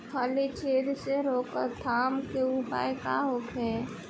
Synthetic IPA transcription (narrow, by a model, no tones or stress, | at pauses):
pʰəlit͡ʃeːd̪seɾoːkəɾt̪ʰaːmkeʊpa̰ːekaɦokɦɛː